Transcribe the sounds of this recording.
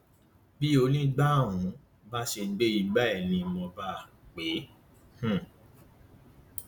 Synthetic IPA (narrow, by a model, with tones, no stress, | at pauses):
bi˦o˧˦nĩ˦ɡ͡ba˦˨wũ˨˦ | ba˦ʃe˧˦ɡ͡be˦i˧ɡ͡ba˦ɛ˦˨nĩ˧mɔ̃˧ba˦˨ | k͡pe˨˦ | h̩˦˨